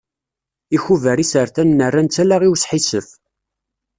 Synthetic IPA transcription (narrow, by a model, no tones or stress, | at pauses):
içuvəɾisəɾθænːərːænt͡sːælaʁiwsħisəf